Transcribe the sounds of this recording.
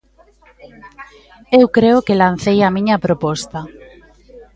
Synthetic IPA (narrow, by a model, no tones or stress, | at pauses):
ewkɾeʊkelan̟θejɐmĩɲɐpɾopɔst̪ɐ